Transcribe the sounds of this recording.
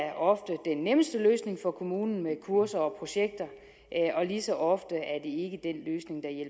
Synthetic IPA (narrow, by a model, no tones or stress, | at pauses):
æɐʔɒ̽fd̥əd̥enːeməsd̥əløːsne̝ŋfɒ̽kʰo̝muːnn̩mekʰuɐ̰sɐɒ̽pʰʁo̝ɕeɡ̥̚d̥ɐ | ɒ̽lisɒ̽ʔɒ̽fd̥əæɐd̥e̝e̝ɡ̥əd̥enløːsne̝ŋd̥ɑ̈jel